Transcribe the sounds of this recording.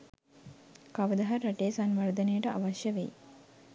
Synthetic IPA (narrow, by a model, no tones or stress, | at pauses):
kaʋəd̪ɐɦɐɾaʈeːsanʋaɾd̪ənejəʈəʔaʋaʃjəʋej